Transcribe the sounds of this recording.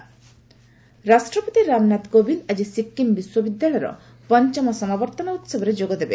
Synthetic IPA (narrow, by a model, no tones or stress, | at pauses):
ɾasʈɾɔpot̪iɾamnat̪kobilad͡ʒisikːimbiswɔbid̪jaɭɔjɾɔ̰ | pɔnt͡ʃɔmɔsɔmabɔɾt̪ɔnɔut̪sɔbɔɾed͡ʒoɡɔd̪ebe